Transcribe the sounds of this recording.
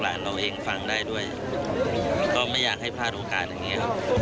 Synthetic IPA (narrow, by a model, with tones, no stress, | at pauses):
laː˩˦nɾa˧wʔeː˧ŋfa˧ŋdaː˥˩jdu˥˩əja˨˩ | kɔː˥˩ma˥˩jːaː˨˩k̚ha˥˩jpʰaː˥˩t̪̚ʔoː˧kaː˨˩t̪̚ja˨˩ŋːi˦˥ɐ˥˩